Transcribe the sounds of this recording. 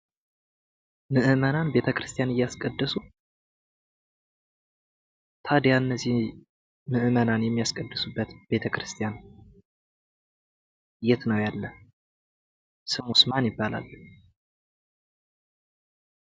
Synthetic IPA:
mɨʔɨmənanbe̞t̪ʰəkɾɨst̪ʰijanɨjːaskʼəd̪ːəsu | t̪ʰad̪jaɨnːəzːih | mɨʔɨmənanjɛmːijaskʼəd̪ːəsubːət̪b̥e̞t̪ʰəkɾɨst̪ʰijan | jɛt̪nəwjalːə | sɨmusmanjɪbːala̰lː

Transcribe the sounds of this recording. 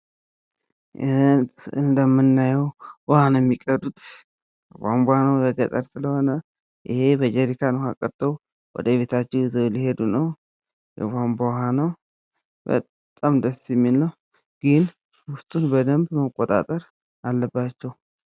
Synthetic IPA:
t̪ɨnd̪əmːɨnːajɛwwɔhanjɛmːikʼəd̪ut̪ʼ | jɛɡʷamboanəwbəɡət̪ʼəɾsɨləho̞nə | ʔɪ̰he̞bəd͡ʒɛɾikʰanha̰kʼəɾt̪ʰəw | wɔ̰d̪əβe̞t̪ʰat͡ʃːɛwɪzowlihe̞d̪unəw | jɛ̰ɡʷambawɦanəw | bə̰t̪ʼːamd̪əsjɛmːilːəw | ɡ̥ɨn | hʊst̪ʼunbəd̪əmbməkʼːot̪ʼa̰t̪ʼəɾ | alːəbːat͡ʃːɛw

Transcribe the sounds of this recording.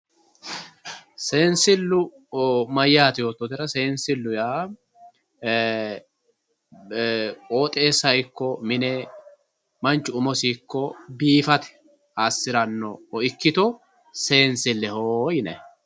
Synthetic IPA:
seːnsɪlːʊ | mɐjːaːt̪ɪjoːt̪ːɔt̪ɪɾɐse̞ːnsɪlːʊjaː | kʼoːt̪ʼe̞ːsːɐɪkːɔmɪnɛ | mɐnt͡ʃːʊʊmɔsikːɔbiːfɐt̪ɛ̥ | asːɪɾɐnːɔɔɪkːɪt̪ɔ | se̞ːnsɪlːɛhoːjɪnɛ

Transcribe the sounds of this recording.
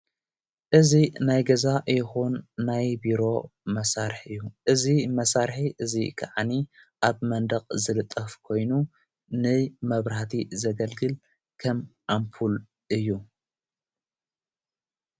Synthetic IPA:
ʔɨzinajɡɐzajɪxunːajbiɾo̞mɐsaɾħɨjːuʔɨzimɐsaɾħiʔɨzikʰa̰ʕaniʔaβmɐnd̪ɐqʼzɨlɨt̪ʼːɐfkʰo̞jnu | nɨmɐβɾhat̪ʰizɐɡɐlɡɨl | kʰɐmʕampʰul | ʔɨjːu

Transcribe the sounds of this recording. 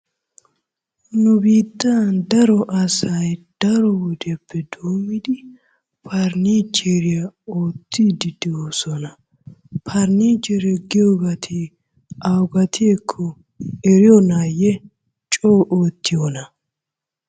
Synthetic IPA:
nʊbiːt̪ːɐnd̪ɐɾɔʔɐsɐjd̪̥ɐɾɔwɔd̪ɛpːɛd̪oːmːɪd̪ɪ | pʰɐɾniːd͡ʒeɾɪjɐoːt̪ːid̪ɪd̪ɪoːsɔnɐ | pʰɐɾniːd͡ʒɛɾɛɡɪjɔɡɐt̪ʰi | ʔɐwɡɐt̪ʰɪekʰːɔ | ɛɾɪjɔnajɛ | t͡ʃʼoːʔoːt̪ːɪjonɐ

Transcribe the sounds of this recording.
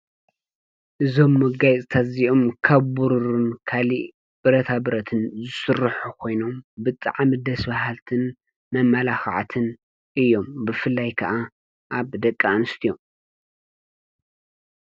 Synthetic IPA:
ʔɨzo̞mːɐɡajt͡sʼt̪ʰaziʔo̞mkʰɐβbuɾuɾunkʰali | b̥ɨɾɐt̪ʰabɾɐt̪ʰɨnzɨsɨrħukʰo̞jno̞mbɨt̪ʼa̰ʕmid̪ɐsbaɦalt̪ʰɨn | mɐmːɐlaxʕa̰t̪ʰɨn | ʔɨjːo̞mbɨfɨlːajkʰɐʔa | ʔaβd̪ɐkʼːanɨst̪ʰijom

